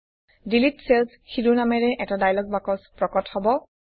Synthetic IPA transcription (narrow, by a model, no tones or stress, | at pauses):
dilitselsxidunamɛɹɛʔɛtadajlɔɡ̚bakɔspɹɔkɔthɔbɔ